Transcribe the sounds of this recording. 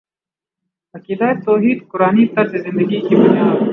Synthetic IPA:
ɐkilaːjt̪oːɦiːd̪qʊɾaːnit̪ɐɾzezɪ̃nd̪əɡikibʊnijaːd̪

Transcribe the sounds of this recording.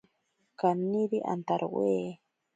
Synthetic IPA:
kaniɾiʔa̰nt̪aɾʔweː

